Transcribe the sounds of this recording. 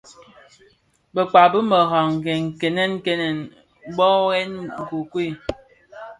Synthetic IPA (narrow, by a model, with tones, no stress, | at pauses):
bə˨k͡pa˨bə˦mə˨ɣɔ˨ŋ˨ɡɛ˨ŋ̩˨ke˨nɛ˦n̩˦ke˦nɛ˨n˦ | bɔ˦ɣɛ˦nŋ̩˨ku˨kwi˦˨